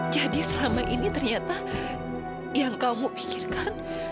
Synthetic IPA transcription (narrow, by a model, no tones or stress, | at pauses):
d͡ʒadisəlamaʔinit̪ərɲat̪a | jaŋkamupi̥kirkan